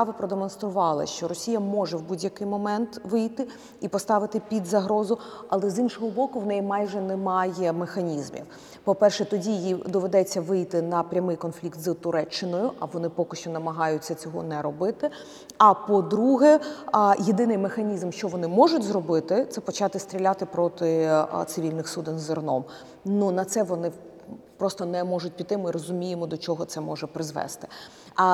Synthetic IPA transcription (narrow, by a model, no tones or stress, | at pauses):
ɑʋɪpɾɔd̪emɔnst̪ɾʊʋɑlˠɪ̰ʃt͡ʃɔɾɔsʲijɐmɔʐɛwbudʲjɐkɪjmɔmɛnt̪ʋɪjt̪ɪ | ipɔst̪ɑʋɪt̪ɪpʲid̪zɐɦɾɔzʊ | ɐlˠɛzinʃɔɦɔbɔkʊwnɛjimɑjʒɛnɛmɑjɛmexɐnʲizmʲḭw | pɔpɛrʃɛt̪ɔdʲijijid̪ɔʋed̪ɛt͡sʲːɐʋɪjt̪ɪnɐpɾʲɐmɪjkɔnflʲikt̪zt̪ʊɾʔɛt͡ʃːɪnɔjʊʔɐʋɔnɪpɔkɪʃt͡ʃɔnɐmɐɦɑjʊtʲt͡sʲːɐt͡sʲɔɦɔ̰nɛɾɔbɪt̪ɪ | ɐpɔd̪ɾuɦɛjed̪ɪnɪjmexɐnʲizmʃt͡ʃɔʋɔnɪmɔʒʊtʲzɾɔbɪt̪ɪt̪sɛpɔt͡ʃɑt̪ɪst̪ʲɾʲilʲat̪ɪpɾɔt̪ɪt̪sɪʋʲilʲnɪxsud̪ɪnzɔrnɔm | nunɐt̪sɛʋɔnɪ | pɾɔst̪ɔnɛmɔʐʊt̚ʲpʲit̪ːɪmɪɾɔzʊmʲijemɔd̪ɔt͡ʃɔɦɔt̪sɛmɔʒɛpɾɪzʋɛ̰st̪ɪ̥